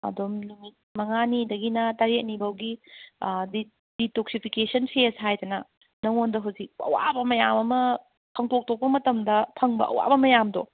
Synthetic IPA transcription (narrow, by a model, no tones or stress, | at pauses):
ɐ̰domlumit̚mɐŋanidɐɡinɐtɐɾet̚nibɐwɡi | di | d̥itoksipʰikesɐnpʰeshajdɐnɐ | nɐŋondɐɦawzik̚ɐ̰wa̰bɐmɐjamɐmɐ | kʰɐŋtʰok̚tʰok̚pɐmɐtɐmdɐpʰɐŋbɐ̰ʔɐ̰wa̰bɐmɐjamdo̰